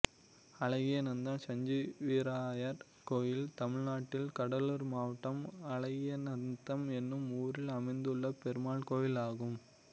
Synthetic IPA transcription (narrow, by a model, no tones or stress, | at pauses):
ɐɭɐɣɪjɐnɐnd̪ɐmsɐɲd͡ʒiʋiːɾaːjɐɾ | koːjɪlt̪ɐmɪɻnaːʈːɪlkɐɽɐlɯɾmaːʋɐʈːɐmɐɭɐɣɪjɐnɐnd̪ɐmɛnːɯmuːɾɪlɐmɐɪnd̪ɯɭːɐpɛɾɯmaːɭkoːjɪlaːɣɯm